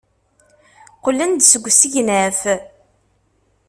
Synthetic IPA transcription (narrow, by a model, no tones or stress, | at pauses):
qəlːənd̪səɡʷːsəʝnæf